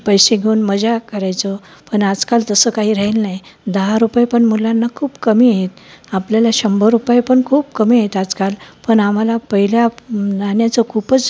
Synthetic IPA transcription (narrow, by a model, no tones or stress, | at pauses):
pəjɕeɡʱeuːnməd͡ʑakəɾajt͡səpəɳad͡zkalt̪əsəːkaɦiːɾaɦilnajd̪əɦaɾupajpəɳmulanːakʰuːbkəmiːet̪̚apljalaɕəmbəɾupajpəɳkʰuːbkəmiaet̪ad͡zkalpəɳam̤alapəɦiljananjat͡səkʰupət͡s